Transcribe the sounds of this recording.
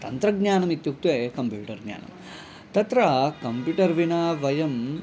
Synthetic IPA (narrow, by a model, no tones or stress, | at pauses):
t̪ɐnt̪ɾɐɡɲaːnɐmit̪juk̚t̪ʋeːkɐmpjuːʈɐɾɡɲa̰ːnɐ̰m | t̪ɐt̪ɾɐkɐmpjuːʈɐɾʋinaːʋɐjɐm